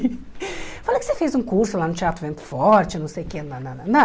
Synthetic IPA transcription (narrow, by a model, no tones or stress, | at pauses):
falɐkɪ̥sefejzũkuɾsʊlanʊt͡ʃat̪ʊvẽnt̪ʊ̥fɔɾt͡ʃɪnɐ̃w̃sejʊkenɐnɐɐnɐ